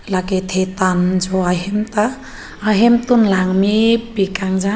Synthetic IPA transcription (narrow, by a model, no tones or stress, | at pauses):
laket̪ʰet̪and͡ʒɔaɦemt̪aː | ɦemt̪unlaŋmibikaŋd͡ʒa